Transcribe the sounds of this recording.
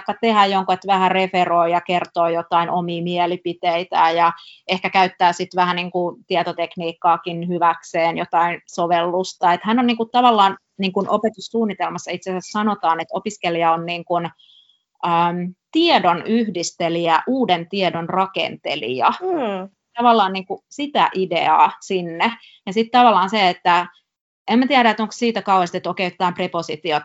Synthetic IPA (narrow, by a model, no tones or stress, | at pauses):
kːɑt̪ehæjjoŋkuet̪ʋæhæreferoijɑkert̪oːjot̪ɑinʔomiːmielipit̪eit̪æːjɑehkækæyt̪ːæːsit̪ʋæhæniːŋkut̪iet̪ot̪ekniːkːɑːkinhyʋækseːnjot̪ɑinsoʋelːust̪ɑet̪hænːoniːŋkutt̪ɑʋɑlːɑːn | niːŋkunʔopet̪ussuːnːit̪elmɑsːɑit̪seæsæssɑnot̪ɑːnet̪opiskeliɑonniːŋkun | əːmt̪iedonyhdist̪eliæʔuːdent̪iedonrɑkḛnt̪ḛlḭɑ | t̪ɑʋɑlːɑːnniːŋkusit̪æ̰ʔidḛɑ̰ːsinːe | jɑsit̪t̪ɑʋɑlːˑɑːnseet̪ːæ | emmæt̪iæɾæet̪oŋkssiːt̪ækɑuhest̪et̪oket̪ːæːmpreposit̪iot̪